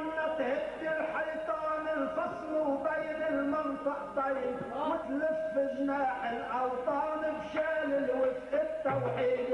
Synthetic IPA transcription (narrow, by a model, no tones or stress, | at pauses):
nːat̪hɪd̪ːɪlħɑjt̪ˤɑːnɪlfɑsˤmʊwbajnɪlmɪnt̪ˤɑʔt̪ˤːɑjːɪb | mʊt̪lɪfbɪʒnaːħɪlʔɑawt̪ˤɑːnɪbʃaːlɪlwɪfʔɪt̪ːawħiːd̪